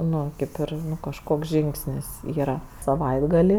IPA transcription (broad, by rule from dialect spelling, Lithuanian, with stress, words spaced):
ˈnʊ ˈkʲeːp ɪr kɐʃˈkoːks ˈʒʲɪŋksʲnʲɪs ˈiːrɐ sɐˈʋɐɪdɡɐlʲɪ